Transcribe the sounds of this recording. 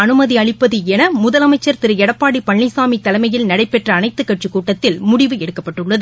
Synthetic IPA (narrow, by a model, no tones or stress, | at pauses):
ɐnɯmɐðiɐɭɪpːɐðɯɛnɐmʊðɐlɐmɐɪt͡ʃːɐɾt̪ɪɾɯɛɽɐpːaːɽipɐɳːɪsaːmit̪ːɐlɐmɐjɪlnɐɽɐɪpːɛʈrɐːnɐɪt̪ːɯkːɐʈ̚t͡ʃɯkuːʈːɐt̪ːɪlmʊɽɪʋɯɛɽɯkːɐpːɐʈːɯɭːɐðɯ